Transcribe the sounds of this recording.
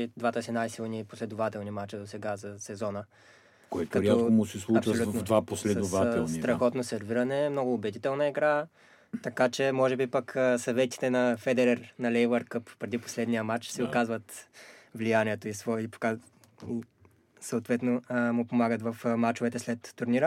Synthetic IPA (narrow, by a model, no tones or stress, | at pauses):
id̪vat̪əsinajsilˠniposlɛd̪ʊvat̪ɛlˠnimat͡ʃəd̪osɛɡazɐsɛzɔnə | koɛt̪kɐɾʲiaoomʊsɛslˠuɐpt͡ʃvəolutvɐnvd̪vaposlɛd̪ovaɛst̪ɾɐxɔt̪nosɛɾviɾɐnɛmnɔɡʊːbɛd̪it̪ɛlˠnɐɛɡɾa | t̪ɐkat͡ʃɛmɔʒɛbipəkəsɐvɛt̪i̥t̪ɛnɐfɛd̪ɛɾɛɾnɐlɛjvəɾkɤppːɾɛd̪ipo̥slɛd̪nijəmat͡ʃsɛokazvət̪vlijaniɛt̪oisvɔipka | i | sɐːt̪vɛt̪nomʊpomaɡət̪vɐfmat͡ʃovɛt̪ɛslɛt̪ːʊɾniɾə